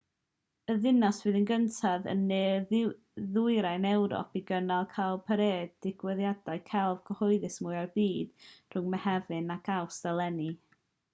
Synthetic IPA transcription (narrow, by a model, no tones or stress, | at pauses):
əðɪnasvɨːðənɡəntʰaðə̰nːeː | ðʊɨɾajnɛwɾɔ̰piɡənalˠkʰajlˠpʰəɾeːdɪɡ̥wɛðjadaɨkʰɛlˠvɡ̥ʰəhɔɨðɨsmʊɨarbiːd̥r̥ʊŋmɛhɛvɨnaɡʰawsd̥alˠɛni